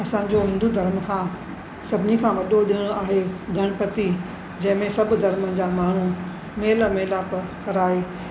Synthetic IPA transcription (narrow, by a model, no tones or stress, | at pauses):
ɐsãːɲd͡ʑoɦɪ̃nd̪ud̪ʱɐɾmkʰãː | sɐbʱɪnikʰãːʋɐɗoɗɪɽ̃oaːɦeɡʱɐɽ̃pɐt̪i | d͡ʑɐ̃ɦɪ̃mẽsɐbʱʊ̆d̪ʱɐɾmənɪ̆d͡ʑaːmaːɳ̤u | meːlmeːlapɐkɐɾaːeː